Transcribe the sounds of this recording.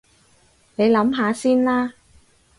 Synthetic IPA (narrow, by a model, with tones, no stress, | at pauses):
ne˨˧jlɐ˨˥mɦaː˨˧siː˥nlaː˥